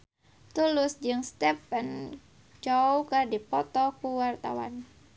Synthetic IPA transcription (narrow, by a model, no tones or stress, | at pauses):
t̪ulʊsd͡ʒɨŋst̪ɛpɛn | d͡ʒawkɨrdipɔt̪ɔkuwart̪a̰wa̰n